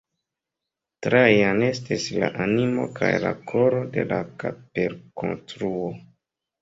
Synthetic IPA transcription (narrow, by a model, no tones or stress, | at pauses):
tɾajane̞stislaʔanimo̞̰kʰajlakʰo̞ɾo̞de̞lakapeɾko̰nstɾuo